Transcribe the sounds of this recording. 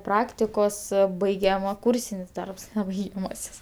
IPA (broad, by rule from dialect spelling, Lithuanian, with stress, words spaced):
ˈprɑːktʲɪkoːs ˈbɐɪɡʲɛmɐ ˈkuːrʲsʲɪnʲɪs ˈdɐrps nʲɛ bɐɪɡʲɛˈmɑːsʲɪs